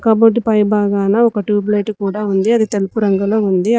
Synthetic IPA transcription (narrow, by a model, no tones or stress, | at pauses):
kɐboɖːipɐjbaːɡaːnɐɔkɐʈuːblejʈkuːɽaːund̪iɐd̪it̪elupuɾɐŋɡɐlo̞ːund̪i